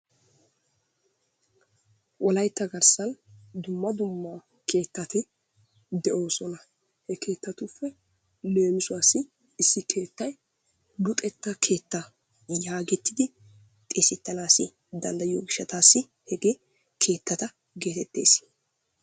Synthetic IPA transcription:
wɔlɐjt̪ːɐɡɐɾsɐnd̪ʊmːɐd̪ʊmːa | kʰe̞ːt̪ːɐt̪ɪ | d̪ɛʔo̞ːsɔnɐ | hɛke̞ːt̪ːɐt̪ʊfːɛ | le̞ːmɪsʊwaːsːɪ | ɪsːɪke̞ːt̪ːɐj | lʊt̪ʼɛt̪ːɐkʰe̞ːt̪ːɐ | jaːɡɛt̪ːɪd̪ɪ | t̪ʼeːsɪt̪ːɐnaːsːɪ | d̪ɐnd̪ɐjoːɡɪʃːɐt̪aːsːɪ | hɛɡeː | kʰe̞ːt̪ːɐt̪ɐ | ɡe̞ːt̪ɛt̪ːe̞̰ːs

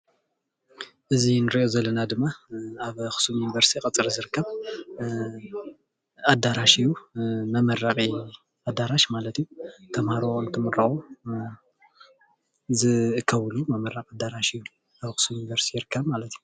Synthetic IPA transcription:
ʔɨzinɨɾiʔozɐlːɐnad̪ɨmːaaβxɨ̥sumjunivɐɾst̪ʰikʼɐt͡sʼɨɾizɨɾɨkːɐβ | ad̪aɾaʃijumɐmɐraχʼi | ʔad̪ːaɾaʃmalɐt̪ijut̪ʰɐmhaɾoont̪ʰɨmɨrɐχo | zɨkʰːɐβlumɐmɐɾːaqʼad̪aɾaʃiju | aβxɨ̥sumjunivɐɾst̪ʰijɾɨkʰːɐβmalɐt̪ju

